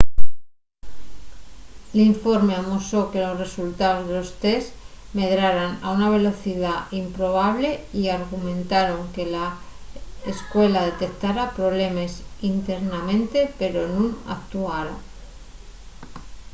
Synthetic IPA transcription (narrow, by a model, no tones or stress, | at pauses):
liɱfo̞ɾmeamoso̞ke̞lo̞sre̞sult̪aozðelo̞st̪es | me̞ðɾaɾana̰unaβ̞e̞lo̞θiðaimpɾo̞β̞aβ̞le̞iaɾɣ̞umẽ̞nt̪aɾo̞ŋke̞la | eskwe̞laðe̞t̪e̞k̚t̪aɾapɾo̞β̞le̞me̞sint̪e̞ɾnamẽ̞nt̪e̞pe̞ɾo̞nũna̰k̚t̪uaɾo